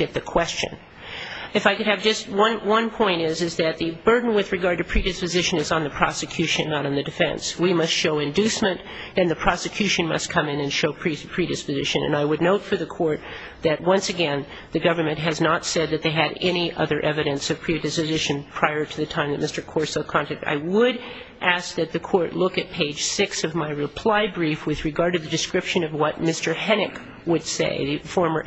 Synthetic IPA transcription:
ɛt̪̚ðɨkʰw̥ɛst͡ʃɨ̰̃n | ɨfaɪkɨɾ̚ɨvd͡ʒʌst̚wʌ̃nwʌ̃npʰɔ̃ɪ̃ñɪzɨzðɨt̪̚ðɨbɜ˞dⁿn̩wɨðɹɨɡɑɹd̚tɨpʰɹ̥iɾɨspɨzɪʃɨ̃nɨzn̩ðɨpʰɹ̥ɑ̰sɨkʰj̥ʉʃɨ̃nːəɾn̩ðɨdɨfɛ̰̃nswimʌstʃoʊɨ̃ndʉsmɨ̃n | ɨ̃nðɨpʰɹ̥ɑsɨkʰj̥ʉʃɨ̃nmʌ̰stkʰʌ̃mɨ̃nɨ̃nʃoʊpʰɹ̥ipʰɹ̥iɾɨspɨzɪʃɨ̃nɨ̰̃naɪwɨdⁿnoʊtfə˞ðɨkʰɔɹt̪̚ | ðɨt̚wʌ̃nsɨɡɛ̃n | ðɨɡʌvə˞mɨ̃nʔɦɨznətsɛd̪̚ðɨt̪̚ðeɪɨɾɛñiʔʌ̰ðə˞ʔɛvɨɾɨ̃nsʌv̥pʰɹ̥idɨspɨzɪʃɨ̃npʰɹ̥aɪə˞ɾɨðɨtʰãɪ̃mðɨt̚mɪstə˞kʰɔɹtsəkʰɑ̃ntʰɨk̚ta̰ɪwəɾ | ʔæsk̚ðɨt̪̚ðɨkʰɔɹtˡlʊkɨt̚pʰeɪd̥ʒ̥sɪksʌvmaɪɹɨpʰl̥aɪbɹifwɨðɹɨɡɑɹd̚ɾɨðɨdɨskɹɪpʃɨ̃nʌvwʌt̚mɪstə˞hɛnɨk | wəd̥sḛɪðɨfɔɹmə˞

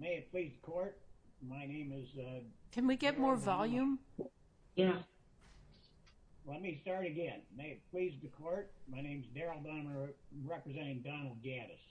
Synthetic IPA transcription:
meɪɨt̚pʰl̥izðɨkʰɔɹt̚maɪnẽɪ̃mɪzkʰɨ̃nwiɡɛt̚mɔɹvɑlˠjʉ̃m | jæ | lɛt̚mistɑɹɾɨɡɛ̃nmeɪɨt̚pʰl̥izðɨkʰɔɹt̚maɪñẽɪ̃mzdɛɹl̩ˠbãmə˞ɹɛpɹɨzɛ̃ɾ̃ɪ̃ŋdɑnl̩ˠd̚ɡæɾɨ̰s

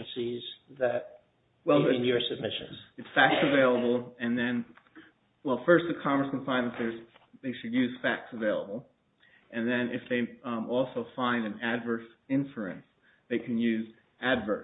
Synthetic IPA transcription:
nsizðɨt̚ | wɛl̃ˠnjə˞sɨb̚mɪʃɨ̰̃nz̥ɨtsfæk̚tsɨveɪlˠəbl̩ˠɨ̃nðɨ̃n | wɛlˠfɜ˞st̚ðɨkʰɑmə˞skn̩fãɪ̃nðɨt̪̚ðə˞z̥ðeɪʃɨdjʉz̥fæk̚tsəveɪlˠə̰bl̩ˠ | ʔɨ̃nðɨ̃nʔɪfðeɪɔlˠsoʊfãɪ̃ndɨ̃nædvɜ˞sɪ̃ɱfluɨ̰̃ns | ðeɪkʰɨ̃njʉz | ædvə̰˞

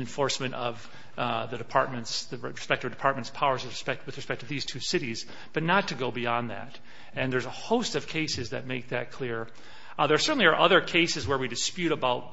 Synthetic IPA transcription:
ɨ̃ɱfɔɹsmɨ̃ñtʌv | ðɨɾɨpʰɑɹt̚mɨ̃ntsðɨɹɨspɛk̚tʌvdɨpʰɑɹt̚mɨ̃ntspʰaʊə˞zwɨðɹɨspɛk̚t̚wɨðɹɨspɛk̚tʰʌvðiz̥tʰʉsɪɾiz | b̥ʌtⁿnətʰɨɡoʊbiɑ̃nðæ̰ɾ | ɨ̃nðə˞zəhoʊstʌv̥kʰeɪsɨzðɨ̰t̚meɪk̚ðɨt̚kʰl̥ɪɹ | ðə˞sɜ˞ʔn̩liə˞ʔʌðə˞kʰeɪsɨzwə˞widɨspjʉɾəbaʊt̚

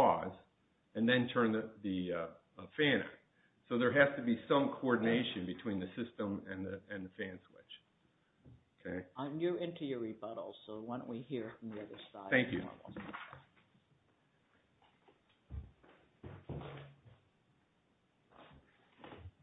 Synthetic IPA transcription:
ɔz | ɨ̃nðɨ̃ntʰɜ̃˞nðɨðɨ | fæ̃nɨ̰ | soʊðə˞ɦæz̥tɨbisʌ̃mkʰoɔɹdⁿn̩eɪʃɨ̃nbɨtʰw̥ĩnðɨsɪstə̃mɨ̃nðɨɨ̃nðɨfæ̃nswɪ̰t͡ʃ | oʊkʰeɪ̃njə˞ɪ̃ntɨjə˞ɹibʌɾl̩ˠz̥soʊwə̃nwihiɹfɹʌ̃mðiʌðə˞saɪθæ̃ŋkjʉ̰s

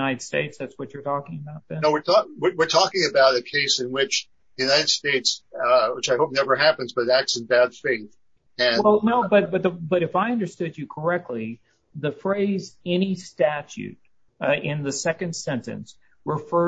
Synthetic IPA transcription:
aɪɾɨd̥stḛɪtsðætswʌt͡ʃə˞tʰɔkɪ̃ŋəbaʊt̪̚ðɨ̃noʊwɨɹtʰɔwɪwɨɹtʰɔkɪ̃ŋɨbaʊɾɨkʰeɪsɨ̃nwɪt͡ʃ | jʉnaɪɾɨd̥steɪtswət͡ʃaɪhoʊp̚nɛvə˞ɦæpɨ̃nzbʌt̪̚ðæk̚tsn̩bæd̥feɪθ | ɨ̃wɛlˠnoʊbʌt̚b̥ʌt̪̚ðəbʌɾɨfaɪʌ̃ndə˞stʊd͡ʒɨkʰə˞ɛk̚tʰˡli | ðɨfɹeɪzɛnistæt͡ʃʉ̰t̚ | ɪ̃nðɨsɛkɨ̃nd̥sɛ̃ntɨ̰̃ns | ɹəfɜ˞

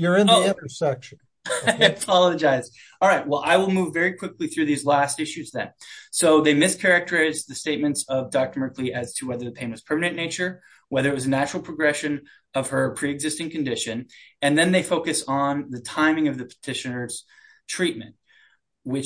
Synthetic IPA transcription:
jə˞ɪ̃nðiɪ̃ntə˞sɛkʃɨ̃n | aɪɨpʰɑlˠəd͡ʒaɪz̥ | ɑlˠɹaɪt̚wɛlˠʔa̰ɪwəlˠmuvɛɹikʰw̥ɪkliθɹʉðizlæstɪʃʉzðɨ̰̃nsoʊðeɪmɪskʰɛɹɨk̚tʰə˞aɪzðɨsteɪt̚mɨ̃ntsʌvdɑk̚tə˞mɜ˞kʰliʔɨz̥tʰɨwɛðə˞ðɨpʰẽɪ̃nwʌz̥pʰɜ˞mɨnɨ̃neɪt͡ʃə˞ | wɛðə˞ɨt̚wʌzɨnæt͡ʃɹl̩ˠpʰɹ̥əɡɹɛʃɨ̃n | ʌv̥ə˞pʰɹ̥iɨɡzɪstɪ̃ŋkɨ̃n̩dɪʃɨ̃nɨ̃nðɨ̃nðeɪfoʊkɨsn̩ðɨtʰãɪ̃mɪ̃ŋʌvðɨpʰə̥tʰɪʃɨnə˞z̥ | tʰɹ̥it̚mɨ̰̃nt̚ | wɪ

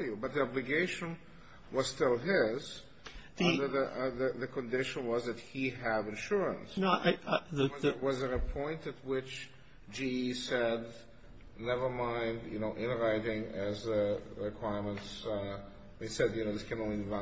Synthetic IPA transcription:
jubʌt̪̚ðiɑblɨɡeɪʃɨ̃n | wʌz̥stɪlˠɦɪz | ðiʌ̃ndə˞ðɨðɨðɨkʰɨ̃ndɪʃə̃nwʌzðɨt̚hiɨvɨ̃nʃʊɹə̰̃nsnoðwʌzɨɾɨpʰɔ̃ɪ̃ntɨt̚wɪt͡ʃ | d͡ʒiisɛd | nɛvə˞mãɪ̃ndjɨ̰noʊʔɪ̃nɹaɪɾɪ̃ŋɨzɨɹɨkʰw̥aɪɹmə̃nts | isɛdjɨnoʊðɪskʰɨ̃nõivã

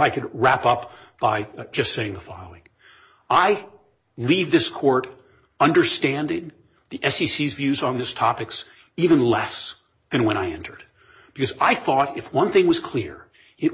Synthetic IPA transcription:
aɪkʰɨd̚ɹæpʌp | b̥aɪd͡ʒʌstseɪɪ̃ŋðəfɑ̰lˠo̰ʊɪ̃ŋ | aɪ | livðɪskʰɔɹɾ | ʌ̃ndə˞stæ̃ndɪ̃ŋ | ðiʔɛsisizvjʉzn̩ðɪstʰɑpɨks | ivɨ̃nlɛs | ðɨ̃nwə̃ɾ̃aɪɛ̰̃ntʰə˞d̥̚ | b̥ɨkʰʌzaɪθɔɾɨfwʌ̃nθɪ̃ŋwʌz̥kʰl̥ɪɹ | ɨt̚

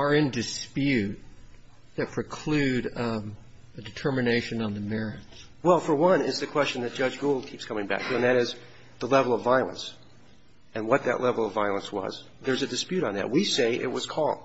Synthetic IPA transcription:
ə˞ɪ̃ndɨspjʉt̪̚ | ðɨt̚pʰɹ̥ɨkʰl̥ʉɾ | ɨdɨtʰɜ˞mɨneɪʃɨ̃nə̃nðɨmɛɹɨts | wɛlˠfə˞wʌ̃nɪzðɨkʰw̥ɛst͡ʃɨ̃n̩ðɨt̚d̥ʒ̥ʌd͡ʒɡoʊlˠd̚kʰipskʰʌ̃mɪ̃ŋbæ̰k̚tʰʉɨ̃nðɨɾɪz | ðəlɛvl̩ˠʌvaɪlˠə̰̃ns | ɨ̃nwʌt̪̚ðɨ̰ʔlʔɛvl̩ˠʌvaɪlˠə̃nswʌ̰z | ðə˞zɨdɨspjʉɾn̩ðɨ̰t̚wiseɪʔɪ̰t̚wʌz̥kʰɔlˠ

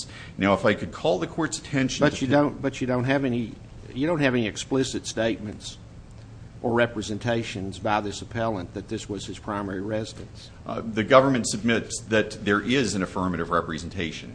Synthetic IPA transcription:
naʊəfaɪkɨd̚kʰɔlˠðɨkʰɔɹtsɨ̥tʰɛ̃nʃbʌt͡ʃɨdõʊ̃nb̥ʌt͡ʃɨdõʊ̃nt̚ɦɨvɛni | jɨdõʊ̃nt̚hɨvɛniɨksplɪsɨtsteɪt̚mɨ̃nts | ʔə˞ɹɛpɹɨzɨ̃ntʰeɪʃɨ̃nzbaɪðɪsəpʰɛlˠə̃nðɨt̪̚ðɪswʌz̥ɨz̥pʰɹ̥ãɪ̃mɛɹiɹɛzɨɾɨ̃ns | ðɨɡʌvə˞mɨ̃n̩tsɨb̚mɪtsðɨt̪̚ðə˞ʔɪzɨ̃nɨfɜ̃˞mɨɾʌvɹɛpɹɨzɨ̃n̩tʰeɪʃɨ̰̃n

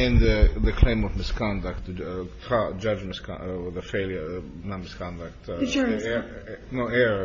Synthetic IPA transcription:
ɨ̃nðɨðɨkʰl̥ẽɪ̃mʌvmɪskʰɑ̃ndɨk̚ttʰɑd͡ʒʌd͡ʒmɪskʰðəfeɪlˠjə˞ | nət̚mɪskʰɑ̃ndək̚tɛ | noʊɛɹə

